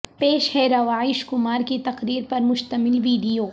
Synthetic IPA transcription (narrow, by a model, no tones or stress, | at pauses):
peːʃhɛɾɐʋaːɪʃkʊmaːɾkit̪ɐqɾiːɾpɐɾmʊʃt̪əmɪlʋiːɖijoː